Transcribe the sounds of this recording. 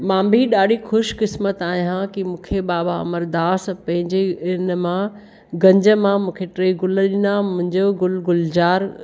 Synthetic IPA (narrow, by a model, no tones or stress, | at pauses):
mãːbʱiɗaːɽ̤ʱixʊʃkɪsmət̪aːɦiɦãkimũːkʰeɓaːbaɐ̰məɾd̪aːspɐ̃ɦɪ̃ɲd͡ʑeɪnmã | ɡɐ̃ɲd͡ʑə̆mãmũːkʰeʈɾeːɡʊlɗĩnamʊ̃ɦɪ̃ɲd͡ʑoɡʊlɡʊld͡ʑaːɾ